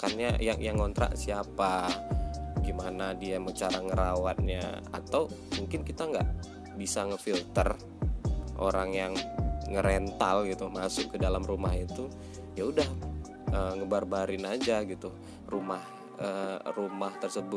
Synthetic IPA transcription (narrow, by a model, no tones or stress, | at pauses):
karɲajaŋjaŋːont̪ɾa̰ʔsiapa | ɡimanadiamət͡ʃaɾaŋəɾawat̪̚ɲa̰a̰t̪aw | muŋkɪnkit̪aŋɡa̰ʔ | bisaŋəfilt̪ər | ʔo̰ɾaŋjaŋːəɾɛnt̪alɡit̪umasʊ̰ʔkədalamrumaɦit̪u | jaudah | əŋəbarbaɾɪnad͡ʒaɡit̪u | rumah | ərumaht̪ərsəbʊt̚